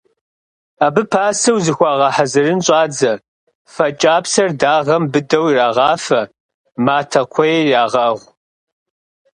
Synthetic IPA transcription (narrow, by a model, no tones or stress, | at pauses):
aːbɨpʰaːsɨwzɨxʷɑːʁɐħazɨrɨnɕʼɑːd͡zɐ | fɐt͡ʃʼaːpsɐrdaːʁɐmbɨdɐwiraːʁɑːfɐ | maːtʰɐkʷʰɔjraːʁɐʁʷ